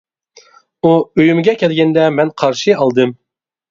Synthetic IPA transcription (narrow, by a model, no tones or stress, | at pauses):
uøjymɡʲɛkʲʰɛlɡʲɛnd̪ɛmɛnqʰɑɾʃɨɑlˠd̪ɨm